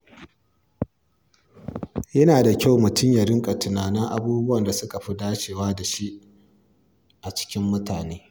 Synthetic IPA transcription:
jɐ˦naː˨da˨kʲa˦˨wmʊ˨tʊ˦ɲjɐ˨ɾɪ˦ŋkʼɐ˨tʊ˨naː˨nɪ˦ŋʔa̰˨buː˦bʊ˦wɐ˨nda˨sʊ˦ka˨ɸi˦daː˦t͡ʃeː˨waː˦da˨ʃi˦ʔ | ʔa˨t͡ʃɪ̥˦kʲɪ˦mːʊ˦taː˨neː˦

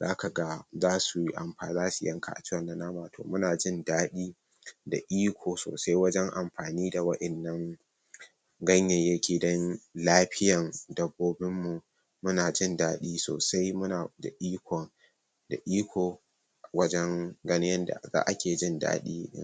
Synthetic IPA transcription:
zaː˦ka˨ɡa˦zaː˦su˨ji˦ʔa˨mɸaː˨zaː˦su˨jɐ˦ŋkʰa̰˨ʔa̰˨t͡ʃɪ˦wɐ˨nːa˦naː˦maː˨tʰo̰ː˨mʊ˦naː˨d͡ʒɪ˦ndaː˦ɗiː˦ | da˨ʔiː˦kʷoː˨so̰ː˨sa˦jwɐ˦d͡ʒɛ˦ŋʔa˨mɸaː˨niː˦da˨wɐ˦ʔɪ˨nːɐ˦ŋ | ɡɐ˦ɲjɛ˨jɐ˦kʲʰeː˨dɐ˦ŋlaː˦ɸɪ˦jɐ˨ŋdɐ˨bːoː˦bɪ˦mːu˨ | mʊ˦naː˨d͡ʒɪ˦˨ndaː˦ɗiː˦so̰ː˨sa˦jmʊ˦naː˨da̰˨ʔiː˦kʷʰɔ˨ŋ | da˨ʔiː˦kʷʰoː˨ | wɐ˦d͡ʒɛ˦ŋɡɐ˦nɪ˦jɐ˦nda̰˨za̰ː˦ʔa˦kʲeː˨d͡ʒɪ˦nda̰ː˦ɗḭː˦ɪ̰˦

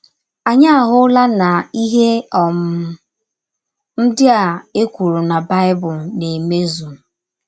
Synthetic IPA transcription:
a˨ɲa˦a˨ɦʊ˦la˦na˨i˦ɦe˦ɔ˨m̩˨ | n̩˦dɪ˦a˨e˦kʷu˨ɾu˨na˨ba˦ɪ˦bʊ˨lne˨me˦zu˨

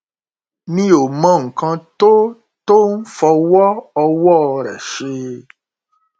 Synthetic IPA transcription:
mĩ˦o˨mã˦˨ŋ̩˨kã˧t̪o˦ | t̪o˦n̩˦fɔ˧wɔ˦ɔ˧wɔ˦˨ɾɛ̰˨ʃe˧

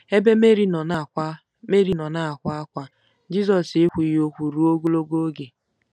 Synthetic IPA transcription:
e˦be˦me˦ɾi˦nɔ˨na˨a˦ | me˦ɾi˨˦nɔ˨na˦a˨kʷa˦a˦kʷa˦ | d͡ʒi˦zɔ˨sɪ˦kʷi˨jo˦kʷu˨ɾu˦o˦ɡu˦lo˦ɡo˦ɡe˨

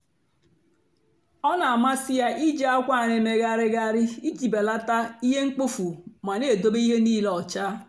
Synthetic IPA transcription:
ɔ˦na˨a˨ma˦sɪ˦ja˦ʔi˦d͡ʒa˦a˦kʷa˦˨ne˨me˨ɡa˦ɾɪ˦ɡa˦ɾɪ˦i˦d͡ʒi˨be˨la˦ta˦i˦ɦe˦ŋ͡m̩˦k͡po˦fu˨ma˨ne˨do˦bi˦ɦe˦niː˦lɔ˨t͡ʃa˦

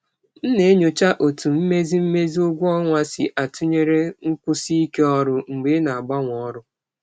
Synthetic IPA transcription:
n̩˦ne˨e˦ɲo˨t͡ʃa˦ʔo˨tu˨m̩˦me˦zi˦m̩˦me˦zi˦ʊ˦ɡʷu˦ɔ˦ŋʷa˦sḭ˨ʔa˨tʰʊ˦ɲe˦ɾe˦ŋ̩˦kʷʊ˦si˦i˦ke˦ɔ˦ɾʊ˦ŋ͡m̩˨ɡ͡be˦na˨a˨ɡ͡ba˦ŋʷ˨ɔ˦ɾʊ˦

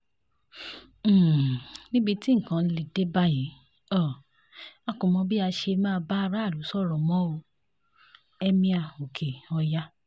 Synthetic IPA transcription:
nĩ˦bi˧ti˦ŋ̩˨kã˨˧li˨de˦ba˦jĩ˨˦ | ɔ˦˨ | a˨˧kũ˨mɔ̃˧bi˦a˧ʃe˧mãː˦˧ba˦˧ɾa˦˨lu˨˦sɔ˦˨ɾɔ˨mɔ̃˨˦o˧ | ɛ˦mĩ˧a˧˨o˨kʰe˨ɔ˧ja˦

